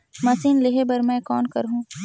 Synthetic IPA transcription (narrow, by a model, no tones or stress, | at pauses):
mɐsiːnleɦebɐɾmɛ̃ːkɔːnkɐɾɦũː